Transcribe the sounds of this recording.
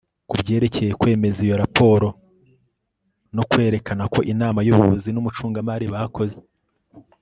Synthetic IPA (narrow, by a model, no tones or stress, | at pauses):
kubɟe̞ːɾe̞ce̞jekwe̞ːme̞zijo̞ɾapʰo̞ːɾo̞ | no̞kwe̞ːɾe̞kanako̞ʔinaːmajuβuβuzinumut͡ʃuːŋɡamaɾiβaːko̞ze